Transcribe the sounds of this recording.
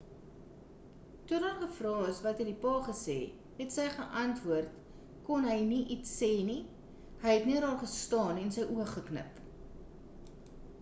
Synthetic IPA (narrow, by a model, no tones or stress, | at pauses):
tudɑːnχəfrɑːəsvɐtədipɑːχəsɛ̰ː | ɦɛtsəjχəʔɐntvuərt | kɔnɦəjniʔitsːɛːni | həjɦɛtniəɾɑːrχəstɑːnɛnsəjʔuəχəknə̰p